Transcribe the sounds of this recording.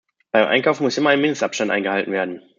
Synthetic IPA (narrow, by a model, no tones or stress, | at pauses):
b̥aɪmʔa̰ɪnkaʊfn̩mʊsʔɪmɐaɪnmɪndəstʔapʃtantʔaɪŋɡəhaltn̩veːɐdn̩